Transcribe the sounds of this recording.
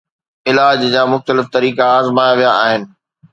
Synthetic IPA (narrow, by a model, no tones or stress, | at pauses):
ɪlaːd͡ʑd͡ʑaːmʊxt̪əlɪft̪ɐɾiːkaːzmaːjaʋijaʔaːɦɪnɪ̆